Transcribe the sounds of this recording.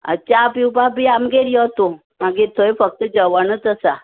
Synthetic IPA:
ə̰t͡ɕapiwbabiamɡeɾjɔt̪o | maɡiɾt̪ʰojfək̚t̪əd͡ʑəʋanət̪əsa

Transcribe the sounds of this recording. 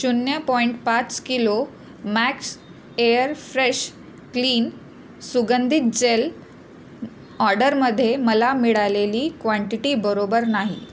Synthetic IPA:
ɕunjəpɔiɳʈpat͡skilo | mæks | ejəɾfɾeɕ | kliːn | suɡənd̪ʱit̪̚d͡ʑel | ɔɾɖəɾməd̪ʱːjeməlamiɽaleliːkʋaɳʈiʈibəɾobəɾnaɦḭ

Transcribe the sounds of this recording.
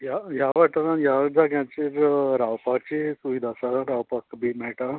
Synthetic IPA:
jajaʋaʈaajaʋd͡zaɡjãt͡ɕiɾɾawpak̚t͡ɕesuʋid̪ʱasaɾawpakbʱim̤ɛɭʈa

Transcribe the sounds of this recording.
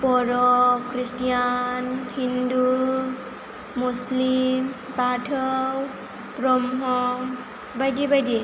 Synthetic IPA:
pɔɾɔkɾistijanhindu | muslim | patʰɔw | pɾɔmɦɔŋ | bajdibajdi

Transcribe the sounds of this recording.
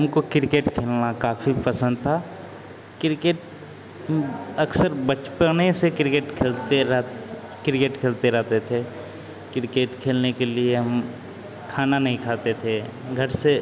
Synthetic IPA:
ɦɐmkokɪɾɪkeːʈkʰeːlnakaːfipɐsə̃nd̪̚t̪ʰaː | kɪɾɪkeːʈ | ɐksəɾbət͡ʃpənesekɪɾɪkeːʈkʰeːlt̪eɾ | kɪɾɪkeːʈkʰeːlt̪eɾɛɦt̪et̪ʰe | kɪɾɪkeːʈkʰeːlnekelieɦɐm | kʰaːnanɐɦĩkʰaːt̪et̪ʰeɡʱɐɾse

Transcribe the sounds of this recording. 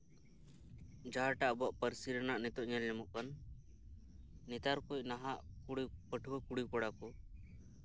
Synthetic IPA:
d͡ʒaɦaʈaʔbɔʔpəɾsiɾɛnaʔnɛt̪ɔʔɲalːɛmɔʔkan | it̪aɾkujnaɦaʔkuɽipəʈʰwɔkuɽikɔɽakɔ

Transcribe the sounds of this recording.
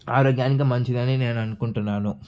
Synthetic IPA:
a̰ːɾoːɡjaːnik̬ɐmɐɲt͡ʃid̪aːnineːnɐnukuɳʈunːaːnu

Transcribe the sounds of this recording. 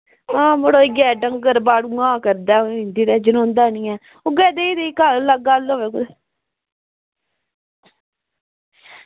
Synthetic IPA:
ãːmoɽoːɡɛːɖəŋɡəɾbaːɽũːãːkəɾd̪aːoɪ̃nd̪iːɾɛːd͡ʒənõːnd̪aːnĩːɛː | oɡɛːd̪eːid̪ekaləɡaːlːoːʋeːkʊd̪

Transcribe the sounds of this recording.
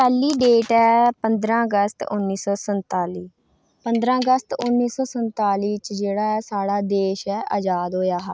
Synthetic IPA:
pɛːliːɖeːʈɛːpənd̪ɾãːəɡəst̪ʊnːiːsɔːsənt̪aːliː | pənd̪ɾãːəɡəst̪ʊnːiːsɔːsənt̪aːliːt͡ʃd͡ʒeːɽaːɛːsaːɽaːd̪eːʃɛːʔəd͡ʒaːd̪ɦoːjaːɦaː

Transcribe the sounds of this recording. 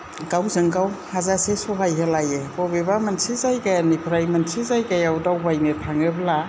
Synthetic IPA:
ɡawzɯŋɡawhazasesɔɦajɦelajebɔbebamansizajɡajanipʰɾajmansizajɡajawdawbajnetʰaŋebla

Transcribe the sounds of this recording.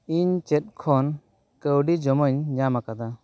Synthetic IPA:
iɲt͡ʃet̚kʰɔn | kəwɖid͡ʒɔmɔɲɲamakad̪a

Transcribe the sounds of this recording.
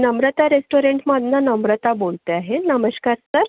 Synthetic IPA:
nəmɾət̪aɾesʈoɾeɳʈmad̪nanəmɾət̪abolt̪eaɦenəməɕkaɾsəɾ

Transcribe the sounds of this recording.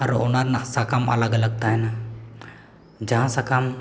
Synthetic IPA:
aɾɔnaɾnasakama̰ləɡələɡ̚t̪aɦɛna | d͡ʒaɦãsakam

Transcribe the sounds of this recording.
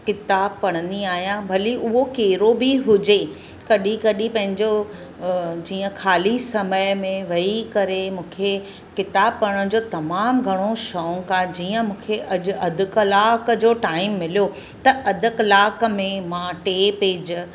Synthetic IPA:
kɪt̪aːb̚pɐɽ̃ə̃nd̪iaːɦijãbʱɐliʔʊɦokeːɾobɪɦʊd͡ʑe | kɐɗikɐɗipɐ̃ɦɪ̃ɲd͡ʑo | d͡ʑiːə̃kʰaːlisɐməjmẽʋɐikɐɾemũːkʰe | kɪt̪aːb̚pɐɽəɽ̃d͡ʑoːt̪ɐmaːmɡʱɐɽ̃oʃɔ̃ːkãd͡ʑiːə̃mũːkʰeʔɐʄʊɐd̪ʱʊkəlaːkə̆d͡ʑoːʈaːɪmːɪlijo | t̪ɐʔɐd̪ʱɪklaːk̆mẽmãːʈeːpeːd͡ʑ

